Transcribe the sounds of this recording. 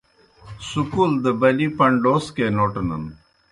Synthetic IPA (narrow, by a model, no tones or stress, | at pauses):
sukuld̪əbɐlipɐɳɖoːskenoːʈnə̰n